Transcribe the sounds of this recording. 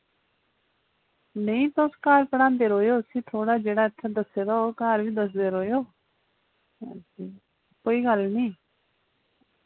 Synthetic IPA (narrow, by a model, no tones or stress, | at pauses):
nẽĩːt̪oːskaːɾpəɽ̃ãːnd̪eːɾoːjoːsiːt̪ʰoːɽaːd͡ʒeːɽaːet̪ʰːaːd̪əseːɾaoːkaːɾbiːd̪əs̬d̪eːɾoːjoː | si | koːiːɡəlnĩː